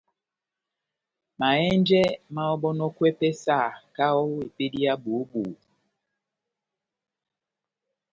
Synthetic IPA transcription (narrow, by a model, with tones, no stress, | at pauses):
ma˨ɛ˦nd͡ʒɛ˦ma˦ɔ˦ɓɔ˦nɔ˦kwɛ˦pɛ˦sa˦˨ka˦ɔ˦i˨pe˦di˦a˦buː˨˦buː˨˦